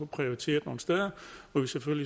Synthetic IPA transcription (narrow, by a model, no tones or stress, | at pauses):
ɒpʰʁio̝it͡sʰe̝̰ːɐðˠno̝̰ːn̩sd̥eðˠɐɒ̽ʋiseføl̰li